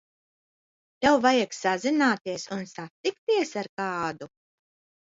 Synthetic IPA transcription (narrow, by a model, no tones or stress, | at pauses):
t̪ɛwvajaksazinaːt̪iɛsunsat̪ikt̪iɛsaɾkɑːd̪u